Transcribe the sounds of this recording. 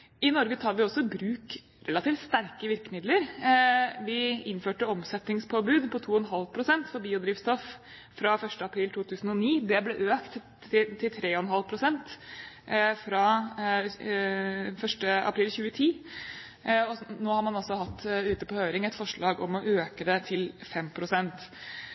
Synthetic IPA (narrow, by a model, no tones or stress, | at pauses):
ɪnɔɾɡət̪ʰɑːɾʋɪɔsɔbɾʉːk | ɾɛlɑt̪iːft̪st̪æɾkəʋɪɾkəmɪd̪ləɾ | ʋɪɪnføːʈəɔmsɛt̪nɪŋspʰoːbʉːd̪pʰɔt̪ʰuːɔnɦɑlpʰɾʊsɛnt̪fɔɾbiːʊd̪ɾiːʋst̪ɔf | fɾɑfœʂʈəɑpʰɾiːlt̪ʰuːt̪ʰʉːsn̩ɔniːd̪ɛblɛʔøːkt̪ | t̪ʰɪlt̪ʰɾeːɔnɦɑlpʰɾʊsɛnt̪ | fɾɑ | fœʂʈəɑ̰pʰɾiːlçʉːət̪ʰiː | ɔnoːhɑɾmɑnɔsːɔɦɑt̪ːʉːt̪əpɔhøːɾɪŋɛt̪fɔʂɭɑːɡɔmɔʔøːkəd̪ɛt̪ʰɪlfɛmpʰɾʊsɛnt̪